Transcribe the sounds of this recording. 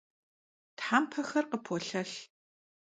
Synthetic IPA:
tħaːmpʰɐxɐrqəpʰoɬɐɬ

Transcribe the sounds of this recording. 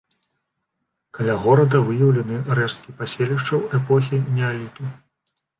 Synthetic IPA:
kɐlʲaɣɔɾɐd̪ɐvɨjɐwlʲɐnɨrɛst̪̚kʲipasʲelʲiʂt͡ʂɐwɛpɔx̬ʲinʲɛalʲit̪u

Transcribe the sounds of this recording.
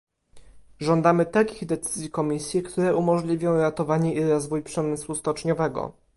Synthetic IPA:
ʐɔnd̪amɘt̪alkʲiɣd̪ɛt̪sɘzʲjikɔmʲisʲjɛkt̪uɾɛʔumɔʐlʲivʲjɔ̃w̃ɾat̪ɔvaɲɛʔiɾɔzvujpʂɛmɘswust̪ɔt͡ʂɲɔvɛɡɔ̰

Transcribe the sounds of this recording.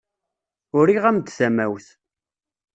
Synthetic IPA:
ʊɾiʁæmd̪θæmæwθ

